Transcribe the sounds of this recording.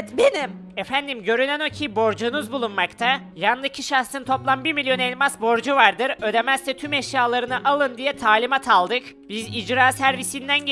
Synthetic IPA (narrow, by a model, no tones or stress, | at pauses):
t̪benim | efænd̪imɟø̞ɾynæno̞cʰibo̞ɾd͡ʒunuzbulˠunmakt̪ʰajanˠɯcʰiʃaxsɯnt̪ʰo̞plˠanbiɾmilʲjo̞nɛlʲmasbo̞ɾd͡ʒuvaɾd̪ɯɾø̞d̪e̞mæzt̪ɛt̪ʰymɛʃjaːlˠaɾɯnɯʔalˠɯnd̪ijɛt̪ʰaːlʲimat̪ʰalˠd̪ɯkbizid͡ʒɾaːsæɾvisind̪æn